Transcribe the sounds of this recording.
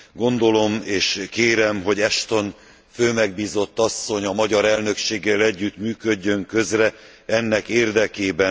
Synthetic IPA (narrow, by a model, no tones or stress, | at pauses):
ɡo̞nd̪o̞lo̞meːʃkeːɾɛmɦo̞ɟɛʃt̪o̞n | føːmɛɡ̚biːzo̞t̪ːɒsːo̞ɲɒmɒɟɒɾɛlnø̞kʃeːɡːɛlɛɟːyt̪myːkø̞ɟːø̞ŋkø̞zrɛ | ɛnːɛkeːrd̪ɛkeːbɛ